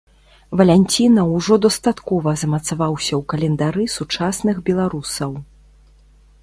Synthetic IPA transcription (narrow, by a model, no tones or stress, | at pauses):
vɐlʲɛnʲt͡sʲinɐwʐɔd̪ɐst̪at̪kɔvɐzɐmɐt̪savawsʲɐwkɐlʲɛnd̪aɾɨsut͡ʂasnɨxbʲɛlˠaɾusɐw